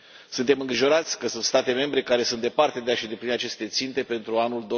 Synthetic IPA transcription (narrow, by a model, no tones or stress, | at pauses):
sunt̪e̞mɨŋɡɾiʒo̞ɾat̪sʲkəsunt̪st̪at̪e̞me̞mbɾe̞kaɾe̞sund̪e̞part̪e̞d̪eaʃid̪epliniat͡ʃe̞st̪e̞t̪sint̪e̞pe̞nt̪ɾuanuld̪o